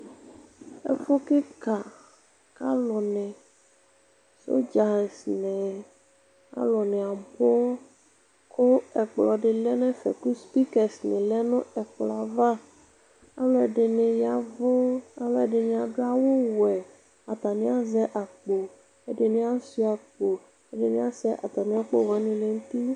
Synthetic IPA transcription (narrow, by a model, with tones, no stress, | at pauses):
ḛ˨fo˦ke˦ka˨ | ka˦lɔ˨nɛ̃˨ | so̰˦d͡ʒa˨snɛ̃˨ | a̰˦lɔ˨nɛ˨a˨bo˦ | kʰo˦ɛ˨k͡plɔ˨ɖe˨lɛ˦nɛ̃˦fɛ̰˨ku˦spi˦kɛ˨snẽ˨lɛ˦nũ˦ɛ˨k͡pla˨va˦ | a˦lɔ˦ɛ˨ɖe˨ne˨ja˨vo˦a˨lɔ˦ɛ˨ɖe˨nẽ˨a˨ɖo˦a˨wo˦wɛ˨ | a˨t̪a˨nĩ˦a˦zɛ˦ʔa˨k͡po˨ | e˦ɖe˨nẽ˦a˦si˦a˨k͡po˨ | e˦ɖe˨nĩ˦a˦sɛ˦ʔa˨t̪a˨nĩ˦a˦k͡po̰˦wa˦nĩ˦le˨ŋũ˦t̪i˦